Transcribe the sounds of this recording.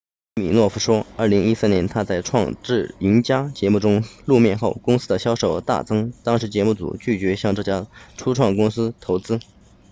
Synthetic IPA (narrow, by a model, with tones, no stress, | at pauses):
mi˨˩nwɔ˥˩fu˧˥ʂwɔ˥ə˞˥˩li˧˥ŋi˥sɹ̩˥˩njɛ˧˥nt̪ʰa˥t͡sa˥˧ɪʈ͡ʂʰwɑ̰˥˧ŋʈ͡ʂɻ̩˥˩i˧˥nt͡ɕja˥t͡ɕjɛ˧˥mu˥˩ʈ͡ʂʊ˥ŋlu˥˧mjɛ˥˧nxo˥˩ʊkʊ˥ŋsɹ̩˥d̪ə˨ɕjɑ˥ʊʂo˨˩ʊ˥t̪a̰˥˩t͡sɤ˥ŋt̪ɑ˥ŋʂɻ̩˧˥t͡ɕjɛ˧˥mu˥˩t͡sṵ˨˩t͡ɕy˥˩t͡ɕɥɛ˧˥ɕjɑ˥˧ŋʈ͡ʂɤ˥˩t͡ɕja˥ʈ͡ʂʰu˥ʈ͡ʂʰwɑ˥˩ŋkʊ˥ŋsɹ̩˥t̪ʰo˧˥ʊt͡sɹ̩˥